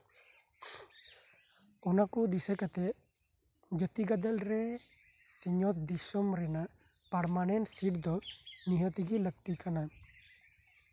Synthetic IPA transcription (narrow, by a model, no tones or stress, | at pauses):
ɔnakud̪isɛkat̪ɛ | d͡ʒət̪iɡad̪əlɾɛ | siɲɔt̪̚ʰd̪isɔmɾɛnaʔ | paɾmanɛnsiʈd̪ɔniɦɔt̪iɡiləɡ̚t̪ikana